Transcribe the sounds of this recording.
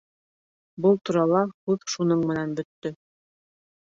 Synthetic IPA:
bɤlˠt̪uɾɑlˠɑkʉðʃunɤɴmɘ̆nænbɵ̆t̪ːɵ

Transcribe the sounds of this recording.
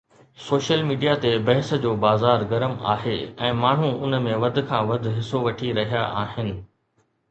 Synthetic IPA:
soːʃəlmiːɖijat̪ebɐɦɪsd͡ʑoːbaːzaːɾɡɐɾəma̰ːɦeɛ̃ːmaːɳ̤ũʊnmẽʋɐd̪̆ʱkʰãːʋɐd̪ʱɦɪsoʋɐʈʰiɾɐɦijaʔaːɦɪnɪ̆

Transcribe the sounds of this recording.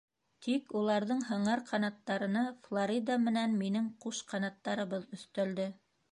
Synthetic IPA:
t̪ʰikulˠɑɾðɤɴhɤ̆ɴɑɾqʰɑnɑt̪ːɑɾɤ̆nɑflˠoɾʲid̪amɘ̆nænminɘŋquʃqɑnɑt̪ːɑɾɤ̆βɤðɵ̆θt̪æld̪ɘ

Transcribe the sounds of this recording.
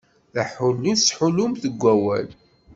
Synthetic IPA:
θaħʊlːisħʊlʊmθəɡʷːæwæ̰l

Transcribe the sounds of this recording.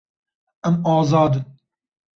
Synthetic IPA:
ɛmɑːzɑːd̪ɨn

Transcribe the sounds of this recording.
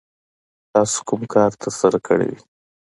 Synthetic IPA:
t̪ɑso̥kʊmkʰɑɾt̪ʰaɾsaɾakʰə̰ɽḛwi

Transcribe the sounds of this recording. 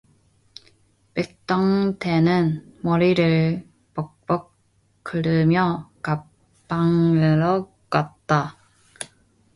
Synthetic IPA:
pek̚t͈ʌŋtʰenɯnmʌɾiɾɯɭ | pʌk̚p͈ʌkʰː | ɯɾɯmjʌkapː | aŋɯɾʌ | kat̚t͈a

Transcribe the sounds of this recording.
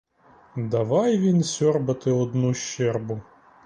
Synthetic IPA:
d̪ɐʋɑjʋʲinsʲɔrbɐt̪ɪɔd̪nuʃt͡ʃɛrbʊ

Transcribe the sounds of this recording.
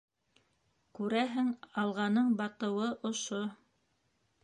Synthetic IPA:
kʉɾæɦɘŋɑlˠʁɑnɤɴbɑt̪ɤ̆wɤʔŏʃo

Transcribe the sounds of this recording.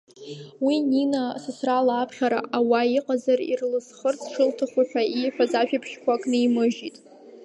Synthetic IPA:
wininasɨsralaːpʰχʲaɾa̰ʔawaiqʼazarḭrlɨsχərt͡sʰʂɨltʰaχʷaħʷᶣaʔiħʷᶣazaʃᶣapʰʃkʷakʼnɨimɨʒitʼ

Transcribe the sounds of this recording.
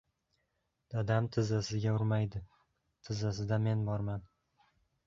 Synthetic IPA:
d̪̥ad̪amt̪ʰɪzasɪɡʲaʊɾmajd̪ɪ | t̪ʰɪzasɪd̪ame̞nbɒɾman

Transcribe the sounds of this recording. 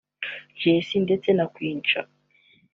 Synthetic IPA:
jesindet͡senakwiːnt͡ʃa̰

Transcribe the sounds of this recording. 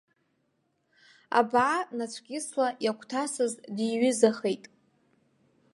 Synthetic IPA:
a̰bʕanat͡ʃʷʰɡʲʼɪslajakʷʰʼtʰasɨzdiɥɪzaχejtʼ

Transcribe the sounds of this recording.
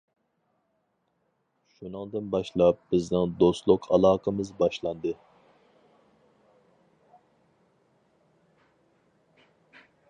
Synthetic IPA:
ʃunɨŋd̪ɨnbɑʃlˠɑp̚b̥ɪznɪŋd̪ost̪lˠʊqʰɑ̰lˠɑːqʰəmɨzbɑʃlˠɑnd̪ɨ

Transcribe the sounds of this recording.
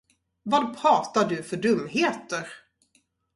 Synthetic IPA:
vad̪pʰɾɑːt̪aɖɵfœɖɵmːɦeːt̪əɾ

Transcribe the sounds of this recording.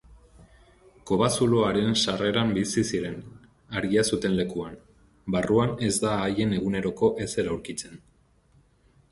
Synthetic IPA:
ko̞βasuloaɾe̞nsare̞ɾambisisiɾe̞n | aɾɣiasut̪e̞nle̞kuan | baruane̞zd̪aːje̞ne̞ɣune̞ɾo̞ko̞ʔe̞se̞ɾauɾkit͡se̞n

